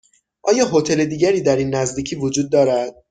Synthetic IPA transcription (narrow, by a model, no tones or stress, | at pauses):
ʔɒːjɒːɦot̪ʰe̞le̞d̪iːɟæɾiːd̪æɾiːnːæzd̪iːcʰiːvod͡ʒuːd̪̚ːɒːɾæd̪̥̚